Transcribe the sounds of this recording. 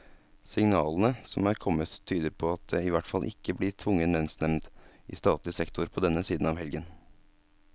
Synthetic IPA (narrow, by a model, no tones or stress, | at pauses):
sɪŋnɑːlənəsɔmæːɾkʰɔmːət̪ʰːyːd̪əɾpʰɔɑt̪̚d̪eɪʋæʈfɑlʔɪ̰kːəblɪt̪ʰʋʊŋːənːɛnsnɛmnd̪ɪ̰st̪ɑːt̪lɪsɛkt̪ʰʊɾpʰɔd̪ɛnːəsiːd̪n̩ɑːʋɦɛlɡən